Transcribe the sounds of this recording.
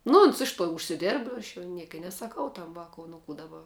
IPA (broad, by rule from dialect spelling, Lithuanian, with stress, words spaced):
nʊ ˈoːns ˈɪʃ toː ʊʃʲsʲɪˈdʲeːrp ˈɐʃ jɛʊ ˈnʲiɛkɐ ɪ nʲɛsɐˈkɐʊ ˈtɐm ˈʋɑːkʊ nʊ ˈkuː dɐˈbɐ